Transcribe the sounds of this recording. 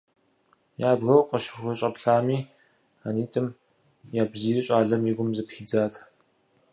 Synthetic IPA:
jaːbɣɐwqʼɐʃɪxʷɐɕʼɐpɬaːmiː | aniːtʼɨm | jaːbziːrɨɕʼaːɮɐmiɡʷʊmzɐpxid͡zaːtʰ

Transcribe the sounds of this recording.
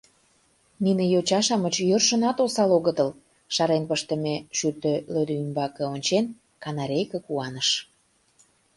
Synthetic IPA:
ninejot͡ɕɑʃɑmət͡ɕjørʃə̆nɑt̪osɑloɣət̪əl | ʃɑɾenpəʃt̪ə̆meʃyt̪ølød̪øymbɑkɤ̆onʲt͡ɕen | kɑnɑɾʲejkə̆kuɑnəʃ

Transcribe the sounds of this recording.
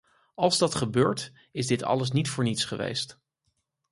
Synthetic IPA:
ɑlˠzdɑtχəbøːɹt | ɪzdɪtɑ̰ləs̬nitfʊːɹnitsχəʋḛjst

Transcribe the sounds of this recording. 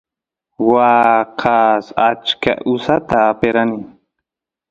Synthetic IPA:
wɑqʰasat͡ʃka̰ʔʊsat̪aːpeɾanɪ

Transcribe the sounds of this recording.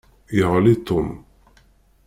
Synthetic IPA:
jəʁlit̪ːʊm

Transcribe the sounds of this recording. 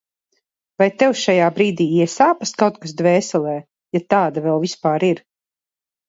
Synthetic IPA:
vajt̪ɛwʃajaːbɾiːd̪iːiɛsaːpaskawt̪̚kasd̪vɛːsɛlˠɛː | jat̪aːd̪avɛlˠvispaːɾiɾ

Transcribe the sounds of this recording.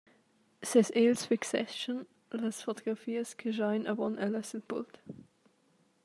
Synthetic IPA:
sɛseːlsfɪksɛʃən | ləsfot̪oɡʁafiːəskʰəʒaɪnəvɔnʔəlœsəlpṵlt̪

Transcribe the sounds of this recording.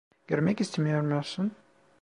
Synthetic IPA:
ɟ̥øɾmɛcist̪ʰemijoɾmujoɾsun

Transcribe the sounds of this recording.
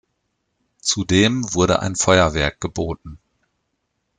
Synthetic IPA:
t͡sudeːmvʊɐɾə̰ʔa̰ɪnfɔʏɐvɛɐk̚ɡ̥əboːtn̩

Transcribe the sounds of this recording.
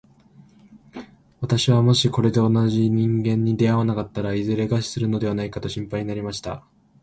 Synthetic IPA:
βat̪aɕiβamo̞ɕiko̞ɾe̞d̪e̞o̞naʑiɲ̟ĩŋɡẽ̞ɲ̟ːid̪e̞aβanakat̪ːaɾaizɨɾe̞ɡaɕi̥sɨɾɯ̟no̞d̪e̞βanaikat̪o̞ɕĩmpaiɲ̟inaɾʲimaɕi̥t̪a̰

